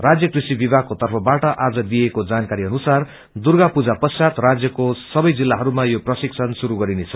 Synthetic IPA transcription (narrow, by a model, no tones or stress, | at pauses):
rad͡zjʌkrisibibʱakot̪ʌrpʰʌbaʈʌʔad͡zʌd̪iekod͡zankaɾiʌnusar | d̪urɡapud͡zapʌsat̪rad͡zjʌkosʌbʌjd͡zilːaɦʌɾumajoprʌsiksʰʌnsuɾuɡʌɾinet͡sʰʌ̥